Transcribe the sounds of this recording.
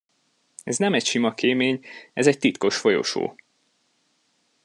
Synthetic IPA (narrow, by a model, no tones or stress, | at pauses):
ɛznɛmɛcʃimɒkeːmeːɲɛzɛc̚t̪it̪ko̞ʃfo̞jo̰ʃo̰ː